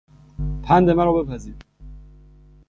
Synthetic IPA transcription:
pʰænd̪emæɾɒbe̞pʰæziːɾ

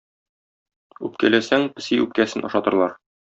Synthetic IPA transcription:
ʉp̚kælæsæŋpɘ̆siʉp̚kæsɘnʔɒ̰ʃɑt̪ɤ̆ɾlˠɑɾ

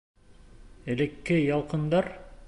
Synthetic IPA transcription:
elĕkːejɑlˠqɤ̆nd̪ɑɾ

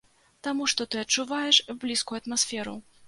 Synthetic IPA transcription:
t̪amuʂt̪ɔt̪ɨɐt͡ʂːuvajɛʂblʲiskujuɐt̪masfʲɛɾṵ

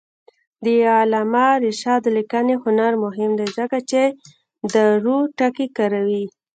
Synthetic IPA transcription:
d̪əalɑmaɾɪʃɑd̪likanehʊnaɾmʊɦɪmd̪ezəkat͡ʃe | d̪əɾuʈakikaɾawi

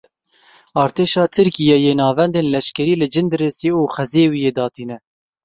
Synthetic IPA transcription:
ɑːɾt̪ʰeːʃɑːt̪ʰɨɾkijɛjeːnɑːvɛnd̪eːnlɛʃkɛɾiːlɨd͡ʒɨnd̪ɨɾeseːuːxɛzeːwijeːd̪ɑːt̪iːnɛ

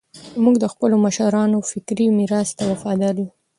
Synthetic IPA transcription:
muɡd̪əxpəlomaʃaɾɑnofɪkɾimiɾɑst̪awafɑd̪aɾu

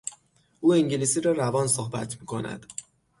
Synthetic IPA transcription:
ʔuːiŋɟilisiːɾɒːɾævɒːnsohbæ̰t̪ʰmiːkʰo̞næ̰d̪̥

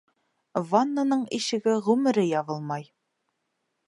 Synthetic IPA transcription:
vanːanɤɴiʃɘ̆ɡɘʁʉmɘ̆ɾɘjɑβɤlˠmɑj

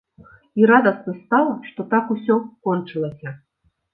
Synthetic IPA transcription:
iɾad̪ɐsnɨst̪alˠɐʂt̪ɔt̪akusʲɔkɔnt͡ʂɨlˠɐsʲɐ

